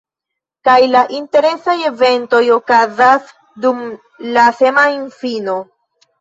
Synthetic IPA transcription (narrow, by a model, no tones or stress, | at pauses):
kajlaʔinte̞ɾe̞saje̞ve̞nto̞jo̞kazas | dum | lase̞mainfino̞